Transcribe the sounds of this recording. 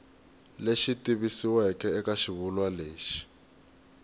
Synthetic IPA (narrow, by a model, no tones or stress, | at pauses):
leʃitʼiβisiwɛkʼɛːkaʃiβulwaleːʃi̥